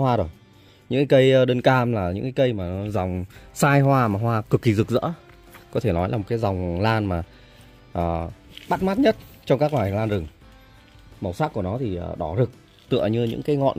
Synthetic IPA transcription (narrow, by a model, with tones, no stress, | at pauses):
hwaː˧ɗo˨˩j | ɲɨ̰˧˥ŋkaː˨˦kə˧jɗəː˧nkaː˧mlaː˨˩ɲɨ̰˧˥ŋkaː˨˦kə˧jmaː˨˩˨za˨˩wŋ͡msaː˧jɦwaː˧maː˨˩ɦwaː˧kɨ˨˩kːi˨˩zɨ˨˩k̚zə̰ː˧˥ | kɔ˨˦t̪ʰe˧˩nɔ˨˦jla˨˩o˨˩kaː˨˦jza˨˩wŋ͡mlaː˧nmaː˨˩ | ʔəː˨˩ɓa˦˥t̚maː˦˥t̚ɲə˦˥t̚t͡ɕɔ˧ŋ͡mkaː˦˥k̚lwaː˨˩jlaː˧nzɨ˨˩ŋ | mə˨˩wsaː˦˥k̚ku˧˩ənɔ˨˦t̪ʰi˨˩ə˨˩ɗɔ˧˩zɨ˨˩k̚ | t̪ɨ̰˧˨əɲɨ˧ɲɨ̰˧˥ŋkaː˨˦jŋɔ̰˧˨n